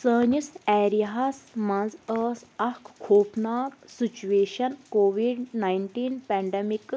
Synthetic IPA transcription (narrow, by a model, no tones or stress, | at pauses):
səːɲisɛːɾiaɦasmɐ̃nzəːsɐkʰkʰoːpnaːksit͡ʃueːʃɐnkoːʋiɖnajɳʈiːnpɛɳɖemik